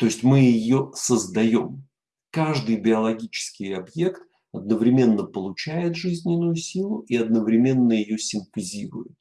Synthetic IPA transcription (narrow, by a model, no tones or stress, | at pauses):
t̪o̞ɪsʲtʲmɨjɪjosəzd̪ɐjo̞m | kaʐd̪ɨjbʲɪɐlˠɐɡʲit͡ɕɪ̥skʲɪjɐbje̞kt̪ | ɐd̪̚nəvɾʲɪmʲe̞nːəpəlˠʊt͡ɕæjɪt̪ʐɨzʲnʲɪnːʊjʊsʲilˠʊiɐd̪nəvɾʲɪmʲe̞nːəjɪjosʲɪmpɪzʲiɾʊ̰jɪt̪̚